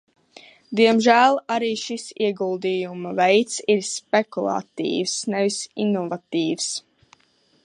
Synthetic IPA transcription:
d̪iɛmʒæːlˠaɾiːʃisiɛɡulˠd̪ijumavɛjt̪siɾspekulˠa̰t̪ḭːvsnɛvisinɔvat̪iːvs

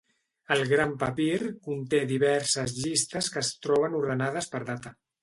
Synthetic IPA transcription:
əlˠɣɾampəpiɾkunt̪eðiβɛɾsəzʎist̪əskəːst̪ɾɔβ̞ənuɾðənað̞əspəɾðat̪ə

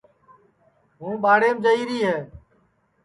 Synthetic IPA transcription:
ɦũːɓaːɽeːmd͡ʒəiːɾiːɦeː

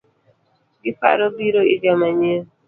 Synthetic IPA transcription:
ɡɪpa̰ɾobiɾoɪd͡ʒamaɲe

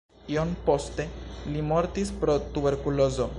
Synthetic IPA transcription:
ionpost̪elimoɾt̪ispɾot̪uβeɾkulozo

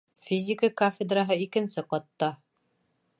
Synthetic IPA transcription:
fʲizʲɪkəkafʲɪd̪raɦɤikɘ̆nsɘqɒt̪ːɑ

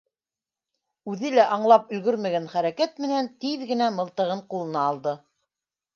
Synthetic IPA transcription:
ʉðɘlæʔɑɴlˠɑpɵ̆lɡɵɾmæɡænχæɾækæt̪̚mɘ̆nænt̪iðɡɘ̆næmɤ̆lˠt̪ɤ̆ʁɤɴqulˠɤ̆nɑːlˠd̪ɤ

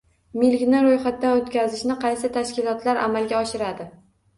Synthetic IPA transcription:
mɪlkʲnɪɾojχat̪̚ːanot̪kʲʰazɪʃnɪqʰɑjsɪt̪ʰaʃkʲɪlˠɒt̪laɾʔa̰malɡʲaɒʃɪɾad̪ɪ

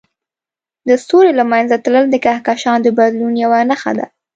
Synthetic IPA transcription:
d̪əsoɾelamajnzat̪ləld̪əkahkaʃɑnd̪əbad̪lunjawanaxa̰d̪a̰

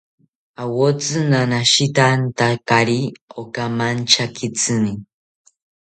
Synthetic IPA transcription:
awot͡sɨnanaʃit̪ant̪akaɾiokamant͡ʃakʰit͡sɨni

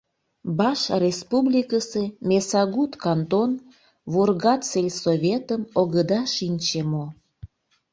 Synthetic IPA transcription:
bɑʃrespublʲikəsemʲesɑɣut̪kɑnt̪on | βurɣɑt̪selʲsoβʲet̪əmoɣəd̪ɑʃinʲt͡ɕemo

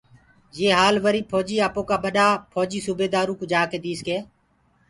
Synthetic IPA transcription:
jeːɦaːlʋəɾiːpʰoːd͡ʒiːaːpõːkaːɓəɗaːpʰoːd͡ʒiːsuːbeːd̪aːɾũːkuːd͡ʒaːkeːd̪iːskeː

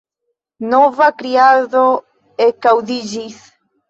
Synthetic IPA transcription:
novakɾiaðo | ekawðid͡ʒis

